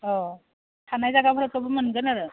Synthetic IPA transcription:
ɔ | tʰanajzaɡabʰaɾatɔbɯmɯnɡɯnaɾɯ

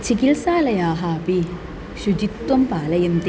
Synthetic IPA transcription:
t͡ɕikilsaːlɐjaːɦaːpi | ɕud͡ʑit̪wɐmpaːlɐjɐnt̪

